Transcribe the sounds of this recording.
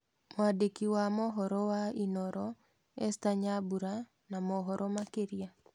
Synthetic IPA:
moadekiwamɔɦɔɾɔwainɔɾʔɔ | ɛstaɲabuɾa | namɔɦɔɾʔɔmakeɾia

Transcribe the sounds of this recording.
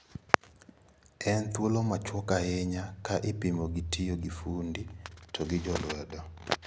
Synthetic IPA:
ɛnt̪wolomat͡ʃwɔkaɛɲakaʔɪpimoɡɪtʰijoɡifunditʰɔɡɪd͡ʒɔlwɛdɔ

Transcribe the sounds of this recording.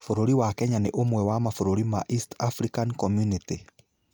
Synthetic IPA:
foɾoɾiwakɛɲaneʔomwɛwamafoɾoɾimaʔistafɾikankɔmjuniti

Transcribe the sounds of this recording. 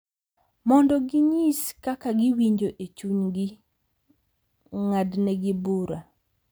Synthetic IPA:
mɔndɔɡɪɲiskakaɡɪwiɲd͡ʒoʔet͡ʃuɲɡi | ŋadnɛɡɪbuɾa

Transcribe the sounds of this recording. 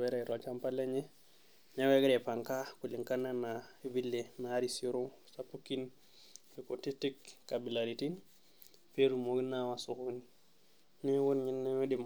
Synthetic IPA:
weɾeɾot͡ʃampaleɲe | neweɡeɾepaŋkakuliŋkananaibilːenaɾisoɾoŋ | sapukin | ikotitikkabilaɾitin | peɾumoɡinːawasukuni | niwunɲinːeedima

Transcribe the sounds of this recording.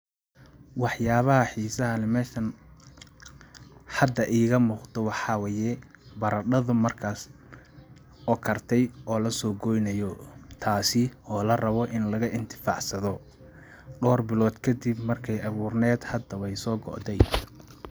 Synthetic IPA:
wɑħjaːβɐɦɐħiːsɐɦɐnɛmɛːʃɐn | ħɑd̪ːɐʔiːɣɐmuːqt̪ɔwɑħɑwɛːjɛ | bɐɾɐɖɐðʊmɐrkʰaːs | ʔɔkʰɐrt̪ʰɛjɔːlɐsɔːɡɔjnɐjɔt̪ʰaːsɪɔːlɐrɐβɔʔɪnlɐɣɐʔɪnt̪ʰɪ̥fɑ̰ʕsɐðɔ | ɖɔːrbɪlɔːd̪kʰɐd̪ɪbmɐrkʰɛjɐβuːrnɛːd̪hɐd̪ɐwɛjsɔːɡɔ̰ʔd̪ɛj

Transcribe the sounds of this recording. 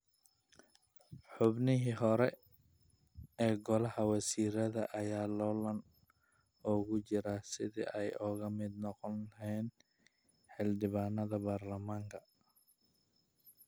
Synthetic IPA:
ħʊbnɪɦiːɦɔɾɛ | ɛːɡɔlɐhɐwɐsiːɾɐðɐʔɐjaːlɔːlɐn | ɔːɣʊt͡ʃɪɾasɪðḭːʔɛjʔɔːɣɐmɪd̪nɔqɔnɛːn | ħɪlɖɪβaːnːɐðɐbaːrlɐmaːŋkʰɐ

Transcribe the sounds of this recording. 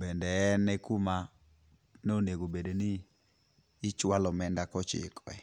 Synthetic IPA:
bɛndɛnːɛkuma | nɛoneɡobedenɪ | t͡ʃwalɔmɛndakɔt͡ʃɪ̰kɔɛ

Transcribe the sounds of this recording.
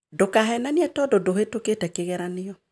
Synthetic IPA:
dokaɦɛnaniɛtɔdodohetoketɛkeɣɛɾanɪɔ

